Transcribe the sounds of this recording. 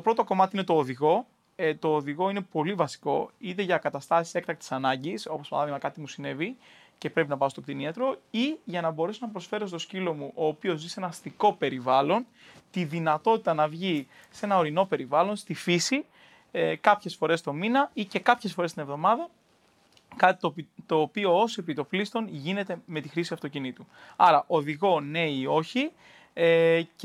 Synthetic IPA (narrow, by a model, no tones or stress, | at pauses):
t̪o̞pɾo̞t̪o̞ko̞mɐt̪iine̞t̪o̞ːðiɣo̞ | t̪o̞ːðiɣo̞ine̞po̞livɐsi̥ko̞it̪̬e̞ʝɐkɐt̪ɐst̪ɐsi̥se̞k̚t̪ɐkt̪i̥sɐnɐɲɟiso̞poɐ̰nɐðimɐkɐt̪imusine̞vi | ce̞pɾe̞pinɐpɐost̪okt̪iniɐt̪ɾo̞iʝɐnɐbo̞ɾe̞sonɐpɾo̞sfe̞ɾo̞st̪o̞scilo̞muʔo̞ːpio̞zːise̞nɐst̪iko̞pe̞ɾivɐlo̞n | t̪iðinɐt̪o̞t̪it̪ɐnɐvʝise̞nɐo̞ɾino̞pe̞ɾivɐlo̞nst̪ifisi | kɐpçe̞sfo̞ɾe̞st̪o̞minɐice̞kɐpçe̞sfo̞ɾest̪ine̞vðo̞mɐðɐ | kɐt̪i̥t̪ot̪o̞ːpio̞ose̞pit̪o̞flist̪o̞nʝine̞t̪e̞me̞t̪ixɾisiɐft̪o̞cinit̪uɐɾɐʔo̞ðiɣo̞ne̞io̞çi